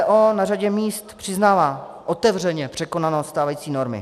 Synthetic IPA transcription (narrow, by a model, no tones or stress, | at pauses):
ʔoːnaraɟɛmiːst̪pr̝̥ɪznaːvaː | ʔot̪ɛvr̝ɛɲɛpr̝̥ɛko̞nanot̪st̪aːvajiːt͡siːno̞ɾmɪ̰